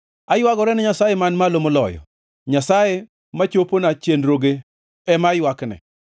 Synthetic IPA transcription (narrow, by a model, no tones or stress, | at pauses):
ajwaɡɔɾɛnɛɲasajemanmalomolɔ̰jɔ̰ | ɲasaje | mat͡ʃoponat͡ʃenɾoɡe | ɛmajwaknɛ̰